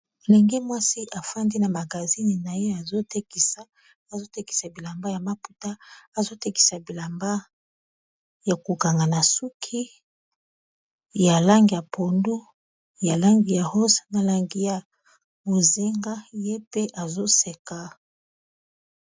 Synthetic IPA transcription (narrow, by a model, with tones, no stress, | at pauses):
le˨ŋɡi˦mwa˦si˦ʔa˨fa˦ndi˦na˨ma˨ɡa˨zi˦ni˨na˨je˦a˨zo˦te˦ki˨sa˦ | a˨zo˦te˦ki̥˨sa˨bi˨la˨mba˦ja˨ma˨pu˨ta˦a˨zo˦te˦ki̥˨sa˨bi˨la˨mba˦ | ja˨ko˨ka˨ŋɡa˨na˨su˦kʰi˦ | ja˨la˦ŋɡi˨ja˨pʰo˨ndu˦ | ja˨la˦ŋɡi˨ja˨ho˦sna˨la˨ŋɡi˦ja˨ | bo˨ze˦ŋɡa˦je˦pe˦ʔa˨zo˦se˨ka˨